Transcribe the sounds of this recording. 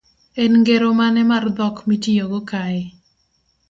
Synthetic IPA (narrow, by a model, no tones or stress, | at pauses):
ɛnŋɡeɾomanɛmard̪ɔkmitijoɡokaɪ